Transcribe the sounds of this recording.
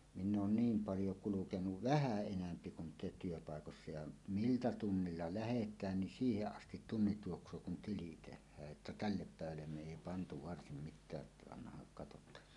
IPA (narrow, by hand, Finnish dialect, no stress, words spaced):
minː oːn niːm pɑljo kulukenuʋ ʋæhæˑ enæmpi kun te tyøpɑˑekosːɑ jɑ miltæ tunːilːɑ læhetˑæːn nin siːheʔ ʔɑstit tunːit juoksˑoː kun tili tehˑæːʔ ʔetːæ tælːep pæˑeʋælːem me eˑi pɑntu ʋɑrsim mitˑæːʔ ʔetːæ ɑnːɑhɑŋ kɑtotˑɑːn